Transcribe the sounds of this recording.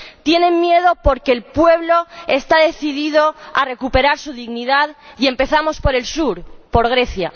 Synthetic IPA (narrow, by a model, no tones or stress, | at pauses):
t̪je̞nẽ̞ŋmje̞ð̞o̞po̞ɾke̞ːlpwe̞β̞lo̞e̞st̪aðe̞θiðiðo̞are̞kupe̞ɾaɾsuð̞iɣniðaðie̞mpe̞θamo̞spo̞ɾe̞lsuɾpo̞ɾɣ̞ɾe̞θja